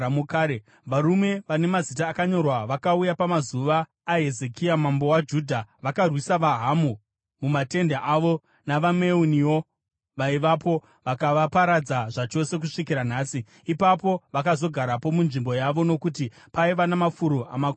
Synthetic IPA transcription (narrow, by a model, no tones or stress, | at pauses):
mukaːe | ʋaɾume̞ʋane̞mazitaːkaɲo̞rwaʋakaujapamazuʋaː | ɦe̞ze̞kiamambo̞wad͡ʒudʱaʋakarwisaʋaɦamu | mumate̞ndaʔaʋo | naʋame̞uniwo̞ | ʋaiʋapo̞ | ʋakaʋapaɾad͡zaʐat͡ʃo̞se̞k̬uʂikiɾanaːsiː | papo̞ʋakazo̞ɡʱaɾapo̞munʐimbo̞jaʋo̞no̞kuti | paiʋanamafuɾoa̰makː